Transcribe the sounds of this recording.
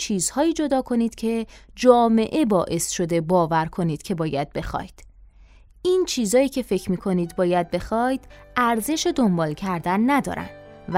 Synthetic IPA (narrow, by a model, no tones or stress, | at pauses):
t͡ʃʰiːz̥hɒːiːd͡ʒo̞d̪ɒːkʰo̞niːd̪̥cʰe̞d͡ʒɒːme̞̰ʔe̞bɒːʔe̞sʃo̞d̪e̞bɒːvæɾkʰo̞niːd̪̥cʰe̞bɒːjæd̪̥̚be̞xɒ̰ːjd̪̥ | int͡ʃʰiːzɒːjiːcʰe̞fe̞cʰɾmiːkʰo̞niːd̪bɒːjæd̪̚be̞xɒːjd̪̥ | æɾze̞ʃed̪o̞mbɒːlcʰæɾd̪ænːæd̪ɒ̰ːɾæ̰nd̥̪ | v